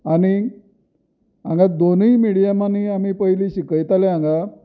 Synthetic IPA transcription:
aɽ̃i | ã̰ŋɡad̪onəimiɽijamaniamiːpəɦjliːɕikəjt̪aleãŋɡa

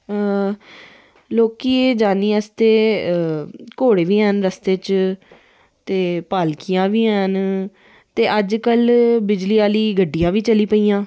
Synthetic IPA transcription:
loːkiːed͡ʒaːniːəst̪eː | koːɽeːʋiːɦənɾəst̪eːt͡ʃ | t̪eːpaːlkijãːʋiːɦən | t̪eːʔəd͡ʒkəlbɪd͡ʒliːaːliːɡəɖːijãːʋiːt͡ʃəliːpəiːãː

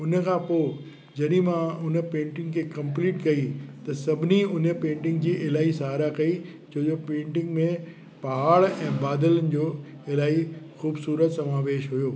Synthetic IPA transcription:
ʊnəkʰãːpoː | d͡ʑɐɗĩmãʊnə̆pẽːɳʈɪ̃ŋɡkʰeːkɐ̃mp̬liːʈkɐit̪ɐsɐbʱɪniʊnə̆pẽːɳʈɪ̃ŋɡd͡ʑiːʔɪlaːisaːɾakɐi | d͡ʑoːd͡ʑopẽːɳʈɪ̃ŋɡmẽ | pɐɦaːɭɛ̃ːbaːd̪ələnɪ̆d͡ʑoː | ɪlaːixuːbsuːɾət̪sɐmãːʋeːʃɦʊjoː

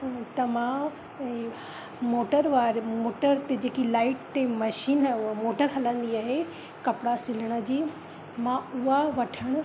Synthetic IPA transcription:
t̪ɐmã | moːʈəɾʋaːɾmoːʈəɾt̪ed͡ʑeːkilaːɪʈt̪emɐʃiːnmoːʈəɾɦɐlə̃nd̪iaːɦe | kɐpɽasɪləɽ̃ə̆d͡ʑiː | mãʊɦaʋɐʈʰəɽ̃

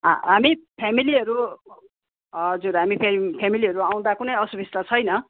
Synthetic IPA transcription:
ɦamipʰamiliɦʌɾu | d͡zuɾɦamipʰpʰamiliɦʌɾuaw̃d̪akunʌjʌsubʱist̪at͡sʰʌjnʌ

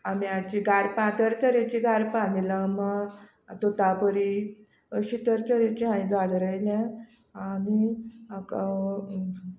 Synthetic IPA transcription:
amiat͡ɕiɡʱaɾpãt̪əɾt͡səɾet͡ɕiɡaɾpãnilama | t̪ot̪apəɾi | əɕit̪əɾt͡səɾet͡ɕiɦãĩd͡zaɽɾəjljã | aniaka

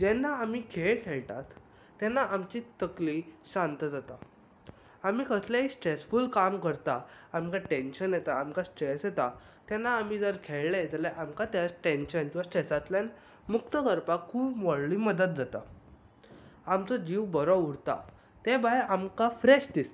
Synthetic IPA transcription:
d͡ʑɛnːaamiːkʰeɭkʰeɭʈ̪a̰t̪ː | ɛnːaamt͡ɕit̪əkliɕant̪əd͡zat̪a | amiːkəsljaɦisʈɾesfulkamkəɾt̪aamkaʈẽnɕənjet̪aːmkasʈɾesjet̪a | t̪ɛnːaːm̤id͡zəɾkʰeɭled͡zəlɛʔamkat̪jat͡sʈẽnɕənkĩw̃ʋasʈɾɛsat̪ljan | mukt̪əkəɾpakʰːuːpmɔɽliməd̪ət̪̚d͡zat̪a̰ | amt͡sɔd͡ʑiʋbəɾɔuɽt̪a̰ | t̪ebajamkafɾeɕd̪ist̪

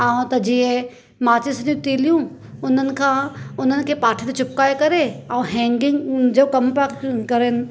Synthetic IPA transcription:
aːũt̪ɐd͡ʑiːẽ | maːt͡ɕɪsnijũt̪iːljũ | ʊn̤ənɪ̆kʰãːʊn̤ənɪ̆kʰeːpaːʈʰit̪et͡ɕʊp̚kaːekɐɾeɐ̃ɦɛ̃ːŋɡɪ̃ŋɡd͡ʑoːkɐmpakkɐɾenɪ̆

